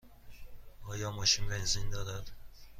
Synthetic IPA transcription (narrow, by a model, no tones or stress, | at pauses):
ɒːjɒːmɒʃinbenzind̪ɒːd̪æd̪̥